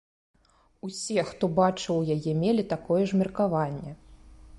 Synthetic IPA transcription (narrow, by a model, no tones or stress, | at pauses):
usʲɛxt̪ɔbat͡ʂɨwjajɛmʲɛlʲit̪akɔjɛʐmʲirkavanʲːɛ